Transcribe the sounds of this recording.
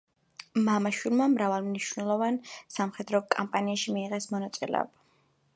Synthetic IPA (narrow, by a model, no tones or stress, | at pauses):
mamaʃwilˠmamɾavalˠmniʃnɛlˠɔvansamχɛd̪ɾɔkʼampʼaniaʃimiːʁɛsmɔnat̪sʼḭlɛ̰ɔ̰b̥a